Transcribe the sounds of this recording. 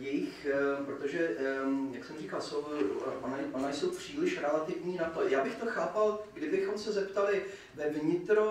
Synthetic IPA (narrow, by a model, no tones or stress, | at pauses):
jɛjɪxpɾot̪o̞ʒɛjaksɛmr̝ikalsowʔonaʔonajso̞wpr̝̥iːlɪʃɾɛlat̪ɪvɲiːnat̪o̞jaːbɪxt̪o̞xaːpalɡdɪbɪxo̞msɛzɛpt̪alɪ | vɛvɲɪt̪ɾo